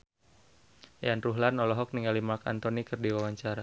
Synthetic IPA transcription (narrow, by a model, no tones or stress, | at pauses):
janruɦlanɔlɔɦɔk̚niŋalimaka̰nt̪ɔnikɨrdiwawaɲt͡ʃaɾa